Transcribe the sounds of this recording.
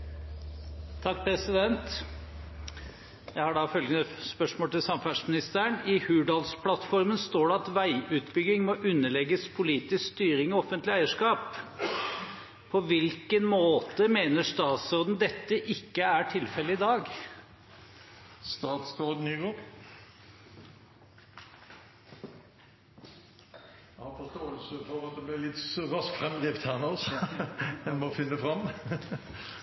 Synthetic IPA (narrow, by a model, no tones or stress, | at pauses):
t̪ʰɑk̚ːpʰɾɛsɪd̪ɛnt̪ | jæɪhɑɖɑfœlɡənəspœʂmoːlt̪ʰɪlsɑmfæʂmɪnɪst̪ʰæːɾəɳɪhʉːɖɑːlspʰlɑt̪fɔɾmənst̪oːɖɛɑt̪ʋæɪʉːt̪bʏɡːɪŋmɔʔʉnːəɭɛɡːəspʰʊliːt̪ɪskst̪yːɾɪŋɔɔfənt̪lɪæɪəʂkɑːp | ɔʋɪlkənmoːt̪əmeːnəʂt̪ɑːt̪sɔʁd̪n̩d̪ɛt̪ːəʔɪkːəæʈʰɪlfɛlːəɪd̪ɑːɡ | st̪ɑːt̪sɡod̪n̩yɡoː | ɑːfɔst̪oːəlsəfɔʁɑt̪̚d̪ɛblɪlɪt̪ʁɑsk̪fʁɛmd̪ʁiːft̪hæːʁnɔs | ɛnmɔfɪnːəfʁɑmː